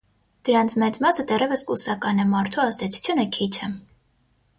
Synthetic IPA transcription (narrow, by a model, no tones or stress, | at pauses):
d̪̥əɾant͡sʰmɛt͡smasəd̪ɛɾɛvɛskʼusɑkʼɑnɛmɑɾt̪ʰuaɑsd̪ɛt̪ʰu̥t͡s̪ʰjɔnəkʰit͡ʃʰɛm